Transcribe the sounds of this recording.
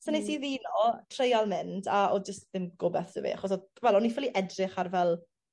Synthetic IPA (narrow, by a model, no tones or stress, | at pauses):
sənisiðiːnɔtʰrejalˠmɪndaɔd͡ʒəstðɪmɡ̥ʊbɛθə̰vḭa̰χɔs̬ɔvɛlˠɔnifɪlˠiʔɛdrɪχarvɛlˠ